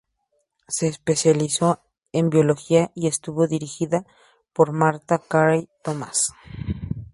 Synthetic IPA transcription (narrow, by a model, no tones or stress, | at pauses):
se̞ːspesjaliso | embjoloxiaie̞st̪uβoðiɾixiða | poɾmaɾt̪akaɾajt̪oma̰s